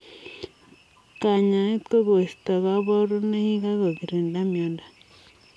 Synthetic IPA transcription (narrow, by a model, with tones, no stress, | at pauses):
ka˨ɲã˨i˦t̪ko˦ɣo˨ʃt̪a˨ɣa˦βo˦ɾo˦ne˦hi˦ɡa˦ɣo˨ɡi˨ɾe˨nda˦mjo˨˦nda˨